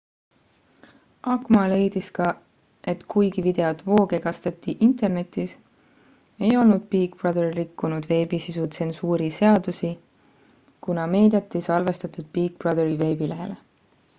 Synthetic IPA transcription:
ɑkmɑle̞jd̪iskɑ | e̞t̪kujɡivid̪̥e̞ot̪vo̞ːɡe̞kɑst̪et̪ːiʔint̪ˑe̞rne̞t̪ːˑis | e̞jo̞lnud̪̥̚piːkprɑd̪errikːunud̪̥ve̞ːbisisut̪se̞nsuːɾise̞ɑd̪̥usi | kunɑme̞ːd̪̥et̪ːˑisɑlve̞st̪ɑt̪ˑud̪̥̚piːk̚b̥rɑd̪eɾive̞ːbile̞ɦe̞̰le

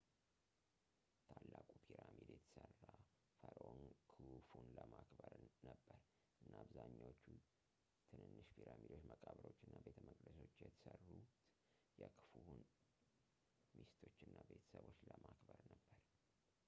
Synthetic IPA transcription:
t̪ʰalːakʼupʰiɾamid̪jɛt̪ʰə̥sərːa | fəɾonkʰɨfunləmakbəɾnəbːəɾ | ʔɨnːaβzaɲːawot͡ʃːu | t̪ʰɨnɨnːɨʃpʰiɾamid̪o̞t͡ʃːməkʼaβɾot͡ʃːɨnːabet̪ʰəməkʼd̪əsot͡ʃːjɛt̪ʰə̥sərːut̪ | jɛkʰɨ̥fuhun | mist̪ʰo̞t͡ʃːɨnːabe̞t̪ʰə̥səβo̞t͡ʃːləmakbəɾnəbːəɾ

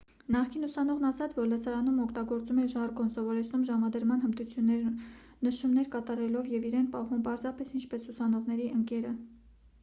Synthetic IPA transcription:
nɑχkʰinusɑn̪ɔʁnɑsɑt͡sʰvɔɾləsɑɾɑnumɔkʰt̪ɑɡɔɾt͡sumɛʒɑɾɡɔnsɔvɔɾɛt͡sʰnumʒɑmɑd̪əɾmɑnhənd̪ut͡sʰjunːɛɾ | nəʃumnɛɾkɑt̪ɑɾɛlɔvjɛviɾɛnpɑɦumpɑɾzɑpɛsint͡ʃʰpɛsusɑnɔʁnɛɾiʔəŋkɛɾə

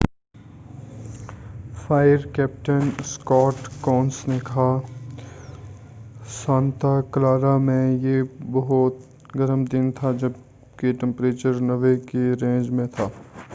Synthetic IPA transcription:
fʰaːɪəɾkɛːp̚ʈənskɔːʈkɔːnsnekɐɦa | sãːnt̪aklaːɾamẽjebɐɦɔt̪ | ɡɐɾəmd̪ɪnt̪ʰad͡ʒɐb | keʈɛ̃mpɾeːt͡ʃəɾnɐʋekeɾẽːnd͡ʒmẽt̪ʰaː

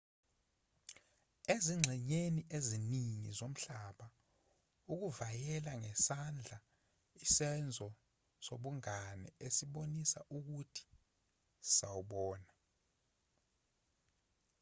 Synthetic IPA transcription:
eziŋ͡ǁʱɛɲeniʔeziniŋḭzom̩ɬaɓa | uk̬uvajɛlaŋɛsand͡ɮʱa | isɛnd͡zʱɔ | soɓuŋanɛ̰esiɓonisaʔuk̬utʰi̥ | sawuɓɔːna

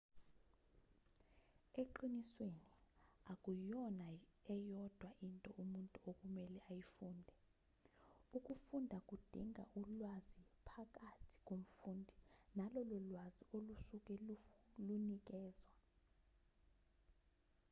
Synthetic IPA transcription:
ɛǃinisweniakʼujɔnaɛjɔd̥ʱwaʔintʼɔumuntʼuokʼumɛlɛʔajifuːndʱɛ | ukʼufundʱakʼud̥ʱiŋʱa̰ʔulwazipʰak̬ʼatʰi̥k̬ʼom̩fuːndʱinalɔlɔlwaziolusuk̬ʼɛlunik̬ʼɛːz̥wa

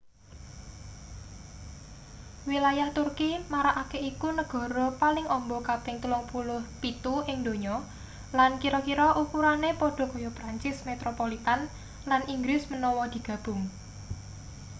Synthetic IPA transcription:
wilajaht̪urkimaɾaʔakeikunəɡ̥ɔ̤ɾɔpalɪŋɔmbɔkapɪŋt̪ulʊŋpulʊhpit̪uɪŋd̪oɲɔ | lankiɾɔkiɾɔʔukuɾanepɔɖ̥ɔ̤kɔjɔpɾaɲt͡ʃɪsmet̪ɾopolit̪an | laniŋɡɾɪsmənɔwɔd̪̥i̤ɡ̥ä̤b̥ʊŋ

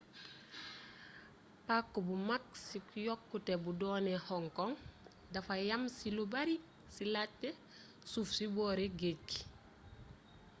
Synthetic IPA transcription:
pakːobumak̚sikujɔkːutebudɔːnehɔŋkɔŋ | dafajamsilubaɾi | silatːe | sufsibɔːɾeɡec

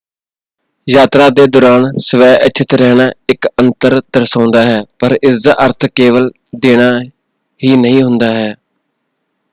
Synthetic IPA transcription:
jaːt̪ɾaːd̪eːd̪ʊɾaːnsəʋɛːʔət͡ʃʰɪt̪ɾɛːnaːɪkənt̪əɾd̪əɾsãːnd̪aːɦɛːpəɾɪsaʔəɾt̪ʰkeːʋəl | d̪eːnaː | ɦiːnəɦĩːɦʊnd̪aːɦɛː

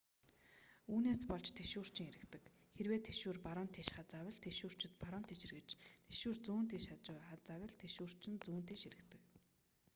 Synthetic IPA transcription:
uːneːspɔɮt͡ɕt̪ʰeʃuːr̥t͡ɕɪ̆ŋeɾɘ̆kt̪ɘ̆k | xerweːt̪ʰːeʃuːrpaɾɔːnt̪ʰiːʃχat͡sawʲɪ̆ɮt̪ʰeʃuːr̥t͡ɕɪ̆t̪̚paɾɔnt̪ʰiːʃirɣɘ̆t͡ɕt̪ʰeʃuːrt͡suːnt̪iːʃat͡ɕʊːχat͡sawʲə̆ɮt̪ʰeʃuːr̥t͡ɕɪ̆nt͡suːnt̪iːʃeɾɘ̆kt̪ɘ̆k̚

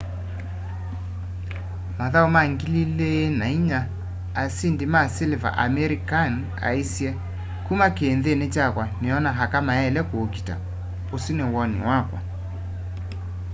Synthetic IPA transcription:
maðaumaŋɡililenaiɲaː | sindimaseleva̰ʔamɛɾikan | a̰isiɛ | kumakeːnðenet͡ʃakwaneɔnaɦakamaɛlɛkookita̰ | osinewɔnḭwakwa̰

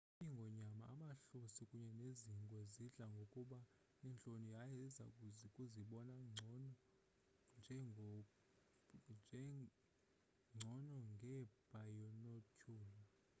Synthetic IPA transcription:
uɲiŋɡʱɔɲamaːmaɬusikʼuɲɛneziŋkʼwɛziɮaŋɡʱokʼuɓa | nɛnt͡ɬʼonijajɛza̰ukʼuziɓɔnaŋ͡ǀʱn | nd͡ʒʱɛŋ | d͡ʒʱ | ŋ͡ǀʱɔnɔŋɡʱɛb̥ʱajɔnɔkʰuːlɔ

